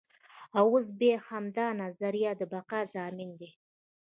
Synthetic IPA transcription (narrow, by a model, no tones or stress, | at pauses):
awos̬bexamd̪ɑnazaɾijad̪əbaqazɑːmɪnd̪e